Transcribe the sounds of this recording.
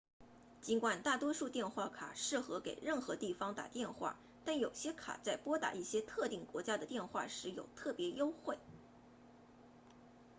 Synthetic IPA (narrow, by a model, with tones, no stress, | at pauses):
t͡ɕi˧˥nkwa˨˩nt̪a˥˩t̪wɔ˥ʂu˥˧t̪jɛ˥˧nxwa˥˩kʰa̰˨˩ʂɻ̩˥˩xɤ˧˥ke˨˩ɪɻə˥˩nxɤ˧˥t̪i˥˩fɑ˥ŋt̪a̰˨˩t̪jɛ˥˧nxwa̰˥˩ | t̪a˥˩njo˨˩ʊɕjɛ˥kʰa̰˨˩t͡sa˥˩ɪpwɔ˥t̪a̰˨˧˩i˥˩ɕjɛ˥t̪ʰɤ˥˧t̪i˥˩ŋkwɔ˧˥t͡ɕja˥d̪ə˨t̪jɛ˥˧nxwa˥˩ʂɻ̩˧˥jo˨˩ʊt̪ʰɤ˥˩pjɛ˧˥jo˥ʊxwe˥˩ɪ